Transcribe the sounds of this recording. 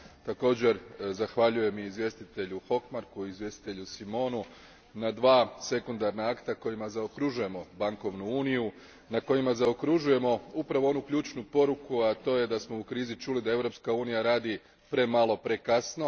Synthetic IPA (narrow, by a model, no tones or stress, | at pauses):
t̪ako̞ːd͡ʑe̞ɾzaxʋaʎuje̞miizʋje̞st̪it̪e̞ʎuxo̞kmaɾkuizʋje̞st̪i̥t̪e̞ʎusimo̞ːnu | nad̪ʋaːse̞kund̪aɾnaakt̪ako̞jimazaokɾuʒuje̞mo̞baŋko̞ʋnuuːniju | nako̞jimazaokɾuʒuje̞mo̞upɾaʋoo̞nukʎʲuːt͡ʃnupo̞ɾukuat̪o̞ːje̞d̪asmo̞ukɾiːzit͡ʃulid̪ae̞ʋɾo̞pskauːnijaɾaːd̪i | pɾe̞malo̞pɾe̞kasno̞